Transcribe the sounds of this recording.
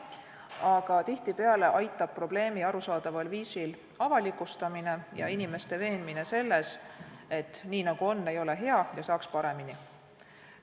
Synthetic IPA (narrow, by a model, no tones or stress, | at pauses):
ɑɡ̥ɑt̪iht̪ipeɑle̞ʔɑjt̪ːˑɑb̚pro̞b̥le̞ːmiɑɾusɑːd̪̥ɑvɑlviːsil | ɑvɑlikːˑust̪ɑmine̞jɑ̰inime̞st̪e̞ve̞ːnmine̞se̞lːe̞se̞t̪ːˑniːnɑɡ̥uo̞nːe̞jo̞le̞ɦe̞ɑjɑsɑːkspɑɾe̞mini